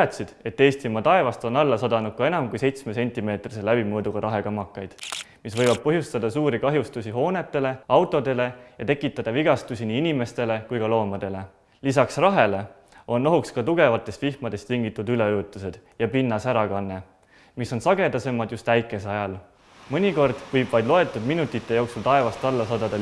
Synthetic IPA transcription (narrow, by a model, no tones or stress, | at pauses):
ɑt̪ʲsid̪̥e̞t̪ːe̞ːst̪imɑt̪ɑe̞vɑst̪o̞nɑlːɑsɑd̪ɑnud̪̚kɑenɑmkujse̞jt̪sme̞se̞nʲt̪ːˑime̞ːt̪riselæb̥imɤːd̪uɡ̥ɑɾɑɦe̞kɑmːɑkːˑɑjd̪̥misvɤjvɑb̥̚pɤɦjust̪ɑd̪̥ɑsuːɾikɑɦjust̪usʲiɦo̞ːne̞t̪ːe̞le̞ɑwt̪ːˑo̞d̪e̞le̞jɑt̪e̞kːˑit̪ːˑɑd̪̥ɑviɡ̥ɑst̪usʲiniːinime̞st̪e̞le̞kujkɑlo̞ːmɑd̪̥e̞le̞ | lisɑksrɑɦe̞le̞ | o̞nːo̞ɦukskɑt̪uɡ̥e̞vɑt̪ːˑe̞st̪vihmɑd̪̥e̞st̪iŋɡit̪ːˑud̪yle̞øːt̪ːˑuse̞d̪̥jɑpinːɑsæɾɑkɑnːe̞ | miso̞nsɑɡe̞d̪ɑse̞mɑd̪just̪æjkːˑe̞seɑjɑl | mɤnʲiko̞rd̪̥vɤjbvɑjd̪lo̞e̞t̪ːˑud̪minut̪ˑːit̪ːˑe̞jo̞ːksult̪ɑe̞vɑst̪ɑlːɑsɑːd̪̥ɑd̪ɑ